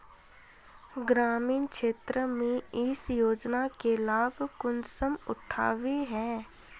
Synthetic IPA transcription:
ɡɾaːmiːnkʃeːt̪ɾəmẽɪsjoːd͡ʒnakelaːbkʊnsəmʊ̰ʈʰa̰ːʋeɦɛ̃ː

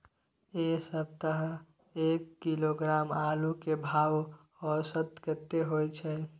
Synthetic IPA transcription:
esəb̚t̪əɦə | eːkːiloɡɾaːmalukebʱaːw | ɔsət̪kət̪ːeɦojt͡ʃʰɛ

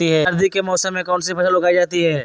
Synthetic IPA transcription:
iɦɛɐɾd̪ʱikemɔːsəmːẽkɔːnsipɐʃəlʊɡaːid͡ʒaːt̪iɦɛː

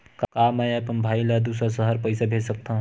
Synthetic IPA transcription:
kkamɛ̃apənbʱaːjlad̪uːsɾasəɦəɾpəɪsabʱeːsək̚t̪aɦũ

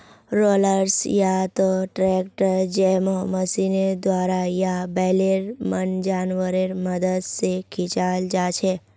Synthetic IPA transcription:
ɾoləɾsjat̪oʈɾɛk̚ʈəɾd͡ʒemoməsined̪ʋaɾajabɛleɾmənd͡ʒanʋəɾeɾməd̪əd̪sekʰit͡ʃald͡ʒat͡ʃʰe

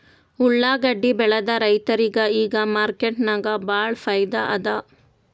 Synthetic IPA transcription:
uɭːaːɡɐɖːibɛɭɐd̪ɐɾɐjt̪ɐɾiɡɐiːɡɐmaːɾkeʈnaɡɐbaːɭfʰɐjd̪ɐʔɐd̪ɐ

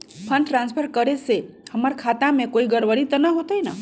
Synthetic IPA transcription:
pʰənʈɾãnspʰəɾkəɾesehəməɾkʰat̪amẽkoiɡəɾʋəɾit̪ənaɦot̪ojna̰

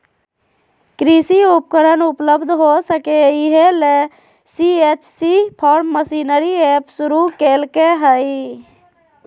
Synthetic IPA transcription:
kɾisiup̚kəɾənupləbd̪ʱɦosəkeiɦele | siet͡ʃsipʰɔːɾmːəsinəɾiepsuɾukelkeɦəi

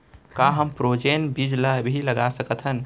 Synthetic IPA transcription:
kaɦəmpɾod͡ʒenbid͡ʒləbʱiləɡasəkət̪ʰɦən

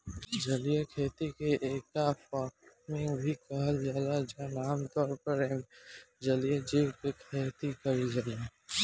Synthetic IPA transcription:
d͡ʒəlijekʰeːt̪ikeʔeːkafaːkmɪ̃ŋbʱikəɦəld͡ʒaːlad͡ʒanaːmt̪ɔːɾpəɾẽːd͡ʒəlijed͡ʒiːwkekʰeːt̪ikəɾid͡ʒale

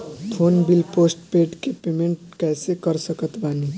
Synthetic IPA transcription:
t̪ʰoːnbilpoːsʈpeʈkepemẽɳʈkɛːsekəɾsəkət̪bani

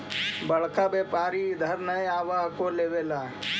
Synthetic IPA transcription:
bɐɭkabeːpaːɾid̪ʱɐɾnəjaːʋaːɦkoleːʋelaː

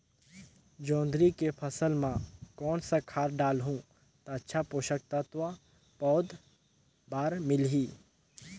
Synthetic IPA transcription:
d͡ʒɔ̃ːnd̪ɾikepʰɐsəlmãkɔːnsakʰaːɾɖaːlɦũː | t̪aətːʃʰapoːʃək̚t̪at̪ʋa | pɔːd̪ | baːɾmɪlɦiː

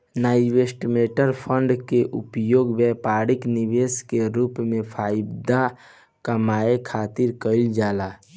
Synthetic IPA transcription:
naːɪʋesʈmeːʈəɾpʰəɳɖkeʔʊpjoːɡbɛpaːɾɪknɪʋeːskeɾuːpmẽpʰaːɪbd̪a | kəmaːekʰaːt̪ɪɾkəɪld͡ʒaːlaː

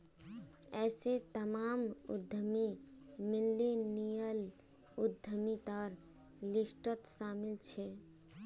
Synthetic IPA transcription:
ɛːset̪əmaːmṵd̪ʱːəmimilːinijəl | ud̪ʱːəmit̪aɾ | lisʈət̪samɪlt͡ʃʰɛ

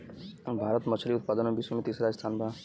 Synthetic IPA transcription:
bʱaːɾət̪mət͡ʃʰliʊt̪̚paːd̪ənomebisomet̪iːsɾaːd͡ʒəst̪ʰaːnbʱa

